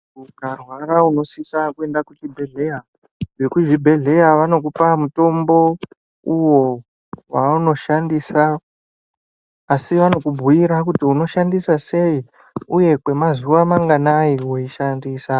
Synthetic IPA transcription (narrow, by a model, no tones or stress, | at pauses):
uɡʱarwarauno̞sisakue̞ndakut͡ʃibʱe̞ɮeja | ʐekuʐibʱe̞ɮe̞jaʋano̞kupamuto̞mbo̞ | uwo̞ | wauno̞ʃandisa | siʋano̞kubʱujiɾakutiuno̞ʃandisase̞i | uje̞kwe̞mazuʋamaŋɡanaiwo̞iʃandiːsa